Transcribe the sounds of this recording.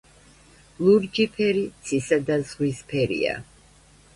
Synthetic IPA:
lˠuɾd͡ʒipʰɛɾit̪sʰisad̪azʁwispʰɛɾḭa̰

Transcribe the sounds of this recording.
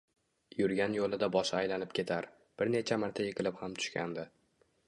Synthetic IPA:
jʊɾɡʲanjolɪd̪abɒʃaajlanɪp̚kʲʰe̞t̪ʰaɾ | b̥ɪɾnet͡ʃʰamaɾt̪ʰajɨqʰɨlˠɪphamt̪ʰʊ̥ʃkʲʰa̰nd̪ɪ

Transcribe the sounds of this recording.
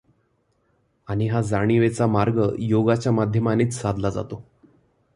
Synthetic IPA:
aɽ̃iɦad͡zaɽ̃iʋet͡samaɾɡəjoɡat͡ɕjamad̪ʱjəmaniːt͡ssad̪lad͡za̰t̪o

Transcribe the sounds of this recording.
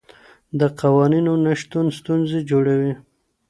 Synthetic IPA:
d̪əqawɑninonaʃt̪unst̪unzed͡ʒoɽawi

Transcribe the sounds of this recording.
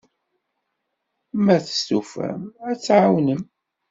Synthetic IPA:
mæθə̥st̪ufæ̰mæt͡sːʕawnəm

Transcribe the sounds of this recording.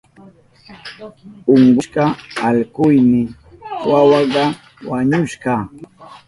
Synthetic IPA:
oɴɢʊʃɢɑaʎqʊjmɪ | wawɑɢɑ | waɲʊʃɢɑ

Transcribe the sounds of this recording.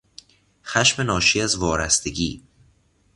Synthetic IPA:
xæʃme̞nɒːʃiæzvɒːɾæst̪e̞ɡiː

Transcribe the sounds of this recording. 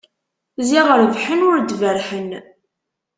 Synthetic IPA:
ziʁəɾvħənʊɾd̪vəɾħən

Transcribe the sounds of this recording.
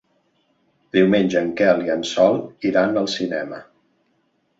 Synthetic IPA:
d̪iwmenʲʒəːŋkɛliənsɔlˠiɾanəlˠsinɛmə

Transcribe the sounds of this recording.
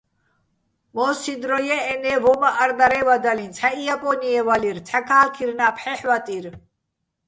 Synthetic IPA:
mɔsid̪ɾɔjɛɛnɛvɔmaʔaɾd̪aɾɛvad̪alint͡sʰaijapʼɔniɛvaliɾt̪ʰakʰaːlkʰiɾnapʰħɛħwat̪ʼiɾ

